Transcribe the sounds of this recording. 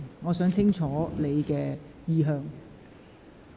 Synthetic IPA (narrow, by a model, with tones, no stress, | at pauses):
ŋɔː˨˧sœː˨˥ŋt͡sʰɪ˥ŋt͡ʃʰɔː˨˥le˨˧jkɛː˧ | jiː˧ɦœː˧ŋ